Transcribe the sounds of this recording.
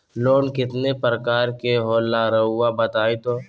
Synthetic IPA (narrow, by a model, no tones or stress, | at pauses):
loːnkɪt̪nepɾəkaːɾkeɦoːlːaɾəɦʊabɐt̪aːit̪oː